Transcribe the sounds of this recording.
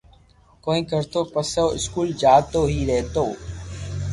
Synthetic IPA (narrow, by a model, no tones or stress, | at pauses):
koːĩːkəɾt̪oːpəsoːʔɪ̰skuːld͡ʒaːt̪oːɦiːɾɛɦt̪oː